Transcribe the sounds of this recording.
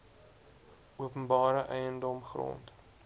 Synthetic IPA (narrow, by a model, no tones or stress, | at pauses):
uəpənbɑːɾəʔɛjəndɔmχro̰nt